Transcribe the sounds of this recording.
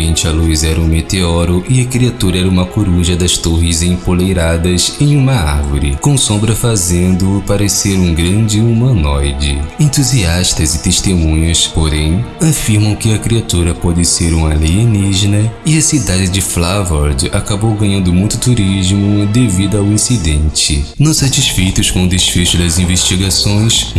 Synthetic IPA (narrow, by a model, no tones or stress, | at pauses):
ẽnt͡ʃɪɐluizɛɾɐũmet̪eɔɾʊʔɪɐkɾiat̪uɾɐɛɾɐũmɐkuɾuʒɐd̪ɐst̪oɦɪzẽj̃polejɾad̪ɐsẽj̃ũmɐa̰ɾvʊɾɪ̰kõsõmbɾɐfazẽnd̪ʊpaɾeseɾũɡɾɐ̃d͡ʒɪumɐ̃nɔjd͡ʒɪ̰ẽnt̪uziaʃt̪ɐzɪt̪eʃt̪emũɲʊspoɾẽj̃afiɾmɐ̃w̃kɪɐkɾiat̪uɾɐpɔd͡ʒɪseɾũmɐlejeniʒenɐɪɐsid̪ad͡ʒɪd͡ʒɪflavɔɾd͡ʒakabowɡɐ̃ɲɐ̃nd̪ʊmũj̃t̪ʊt̪uɾiʒmʊd̪evid̪ʊawĩsid̪ẽnt͡ʃɪ̰nõw̃sat͡ʃisfejt̪ʊskõʊd̪esfeʃʊd̪ɐzĩveʃt͡ʃiɡasõj̃s